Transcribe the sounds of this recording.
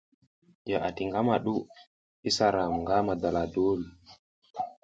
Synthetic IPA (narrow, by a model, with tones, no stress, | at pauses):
ja˨ʔa˨ti˨ŋɡa˦ma˨ɗu˦ | i˦sa˨ɾa˨mŋɡa˦ma˨da˨la˨do˦l